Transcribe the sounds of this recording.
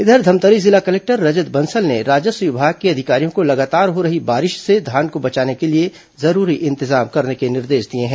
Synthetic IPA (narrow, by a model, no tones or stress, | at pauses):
ɪd̪ʱəɾd̪ʱɐmt̪əɾizɪlakɐlɛːk̚ʈəɾːɐd͡ʒəd̪bɐnsəlneɾaːd͡ʒəsjʊbʱakiɐd̪ʱɪkaːɾijõkolɐɡaːt̪aːɾɦoɾɐɦibaːɾɪʃsed̪ʱaːnkobɐt͡ʃaːnekelie | zɐɾuːɾiʔɪ̃nt̪ɪzaːmkɐɾnekenɪɾd̪eːʃd̪iẽɦɛ̃ː